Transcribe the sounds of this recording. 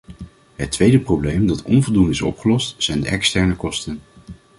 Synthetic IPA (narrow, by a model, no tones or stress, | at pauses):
ɦətʋejdəprowblejmdɑtɔnvɔlˠdundɪsɔ̰pχəlɔstsɛjndəʔɛkstɛɹnəkɔstən